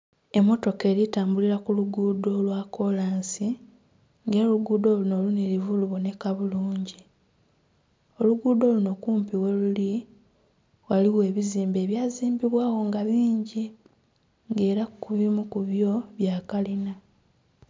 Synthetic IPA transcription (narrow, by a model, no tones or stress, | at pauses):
e̞mːo̞to̞ke̞ːɾitaːmbuliɾakuluɡuːdo̞lwakʰo̞laːnsi | ŋɡe̞ːluɡuːdo̞ːluno̞luneɾivuluβo̞ne̞kaβuluːɲɟi | o̞luɡuːdo̞ːluno̞kuːmpiwe̞luli | waliwe̞ːβiziːmbe̞ːβjaːziːmbiβwaːwo̞ŋɡaβiːɲɟi | ŋɡe̞ːɾakuβimukuβjo̞βjaːkalina